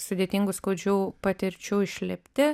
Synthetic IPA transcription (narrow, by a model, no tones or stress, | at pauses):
sʊd̪ʲeːt̪ʲiŋɡʊskoːd͡ʒʲuːpɐt̪ʲɪɾʲt͡ʃʲuːɪʃʲlʲɪpʲt̪ʲɪ